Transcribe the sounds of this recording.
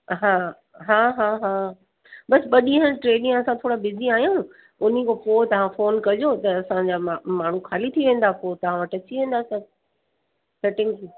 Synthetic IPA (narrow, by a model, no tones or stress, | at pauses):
ɦaː | ɦaːɦaːɦaː | ɓɐsɓɐɗĩɦə̃nʈɾeːɗɪ̃jɐsãt̪ʰoːɽabɪziaːɦijũ | ʊn̤ikopoːt̪ɐʋ̤ãfoːnkɐd͡ʑot̪ɐːsãd͡ʑaːmaːɳ̤uxʰaːlit̪ʰiʋẽːn̆d̪apoːt̪ɐʋ̤ãʋɐʈɐt͡ɕiʋẽːn̆d̪asɐb̚ | sɛʈɪ̃ŋɡ